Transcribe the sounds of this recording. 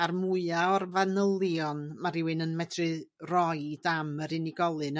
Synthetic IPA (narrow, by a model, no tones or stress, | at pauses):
armuɨaɔrvanəlˠjɔnmaɾɪwɨnənmɛdrɨrɔjdaməɾɨniɡɔlˠɨn